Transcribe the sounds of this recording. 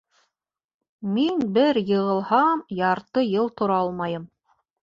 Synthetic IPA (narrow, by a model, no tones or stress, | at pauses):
minbɘɾjɤ̆ʁɤ̆lˠhɑmjɑɾt̪ɤjɤlˠt̪ŏɾɑɑlˠmɑjɤm